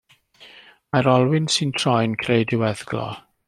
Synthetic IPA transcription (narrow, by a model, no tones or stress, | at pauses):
maɾɔlˠwɪnsɨntʰrɔjnkʰrejdɪwɛðɡlɔ̰